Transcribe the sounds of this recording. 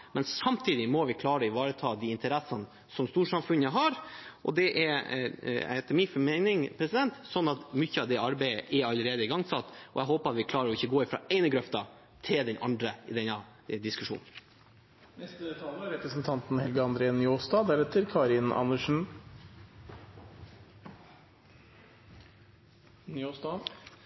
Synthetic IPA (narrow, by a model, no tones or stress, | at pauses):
mɛnsɑmt̪ʰiːd̪ɪmɔʋɪkʰlɑːɾəɪʋɑːɾət̪ʰɑːd̪iɪnt̪əɾɛsən | sɔmst̪uːʂɑmfʉnəɦɑɾʔɔ̰d̪ɛʔɛɾ | hhɛt̪ːəmifɔmɛɪnɪŋpʰɾɛsɪd̪ɛnt̪sɔnːɑt̪mʏçːəɑʋd̪ɛɑɾbæɪəʔɛɾɑləɾeːd̪əɪɡɑŋsɑt̪ːɔ̰ɛɦoːpəɾɑt̪ʋɪkʰlɑːɾəɾɔɪçːəɡoːɪfɾɑ̰ːɛɪnəɡɾœft̪ɑ | t̪ʰɪld̪ɛnʔɑ̰nd̪ɾəɪd̪ɛnːɑ | d̪ɪskʉʂṵːnn̩ | nɛst̪ət̪ʰɑlːəæɾɛpɾəsnt̪ʰɑnt̪n̩hɛlɡəɑnd̪ɾeːnʏoːsd̪ɑːd̪æɾɛt̪ʰːəɾkʰɑːɾɪnɑ̰nːəʂɳ̩ | noːsd̪ɑ